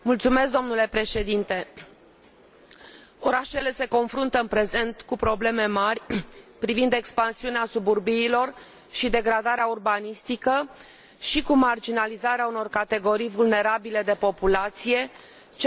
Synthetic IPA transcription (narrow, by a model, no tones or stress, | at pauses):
mult̪sume̞skd̪o̞mnule̞pɾe̞ʃe̞d̪int̪e̞ | o̞ɾaʃe̞le̞se̞ko̞nfɾunt̪əɨnpɾe̞ze̞nt̪kupɾo̞ble̞me̞marʲpɾivind̪ekspansiuneasuburbiːlo̞r | ʃid̪e̞ɡɾad̪aɾeaurbanist̪ikə | ʃikumard͡ʒinalizaɾeauno̞rkat̪e̞ɡo̞ɾijvulne̞ɾabile̞d̪e̞po̞pulat̪sije̞ | t͡ʃ